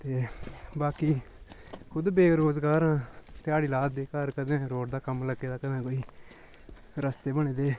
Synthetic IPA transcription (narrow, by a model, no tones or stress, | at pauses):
t̪eːbaːkiː | kʰʊd̪beːɾoːzɡaːɾãːt̪ɪaːɽiːlaːd̪̚beːkaɾkəd̪ẽːɾoːʈd̪aːkəmləɡːeːd̪aːkənãːkoːiː | ɾəst̪eːbəɽ̃ẽːd̪eː